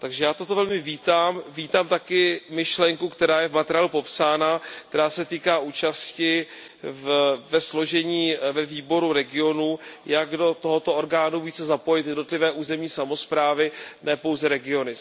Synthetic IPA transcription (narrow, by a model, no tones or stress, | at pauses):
t̪aɡʒɛjaːt̪o̞t̪o̞vɛlmɪviːt̪aːmviːt̪aːmt̪akɪmɪʃlɛŋkukt̪ɛɾaːjɛvmat̪ɛɾɪjaːlupo̞psaːnakt̪ɛɾaːsɛt̪iːkaːʔuːt͡ʃascɪ | vvɛslo̞ʒɛɲiːvɛviːbo̞ɾuɾɛɡɪo̞nujaɡdo̞t̪oɦot̪o̞oɾɡaːnuviːt͡sɛzapo̞jɪt̪jɛdnot̪lɪvɛːʔuːzɛmɲiːsamo̞spɾaːvɪnɛːpo̞wzɛɾɛɡɪo̞nɪ